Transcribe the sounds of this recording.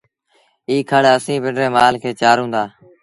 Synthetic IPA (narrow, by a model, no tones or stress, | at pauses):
iːkʰaːɽaːəsĩːbeɳɾeːmaːlkʰeːt͡ʃaːɾɦũːnd̪aː